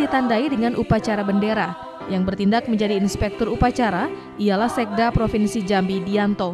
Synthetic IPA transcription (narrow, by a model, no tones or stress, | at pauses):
dit̪andaidəŋanʔupat͡ʃaɾabəndeɾa | jaŋbərt̪indak̚məɲd͡ʒadiːnspɛk̚t̪ɔrupat͡ʃaɾa | ijalahsɛk̚dapɾofinsid͡ʒambidiant̪o